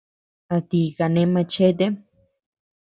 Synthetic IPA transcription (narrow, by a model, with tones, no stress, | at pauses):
at̪ika˨nẽ˧mã˧t͡ʃe˦t̪̬e